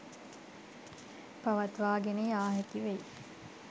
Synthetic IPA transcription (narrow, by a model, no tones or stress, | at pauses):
paʋɐt̪ʋaːɡenejaːɦekiʋej